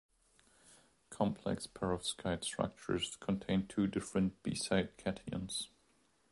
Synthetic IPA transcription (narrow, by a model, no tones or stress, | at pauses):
kʰɒ̃mpʰlɛ̰kspʰɛɹəv̥skʰaɪd̥stɹ̥a̰k̚t͡ʃə̰˞z̥kʰə̃ntʰẽɪ̃ntʰʉːdɪfɹə̃nb̥ḭsaɪd̚kʰɛtʰiə̰̃nz̥